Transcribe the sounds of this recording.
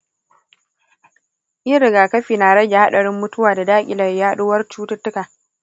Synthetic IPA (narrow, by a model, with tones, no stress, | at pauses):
ʔɪ˦ɾɪ˨ɡaː˨kɐ˦ɸiː˨naː˨ɽɐ˦ɡʲa˨ha˦ɗɐ˨ɽɪ˦mːʊ˦tʊ˦waː˨da˨daː˦kʲʼɪ˨lɐ˨rjaː˦ɗʊ˦wɐ˦rt͡ʃuː˦tʊ˦tːʊ˦kaː˨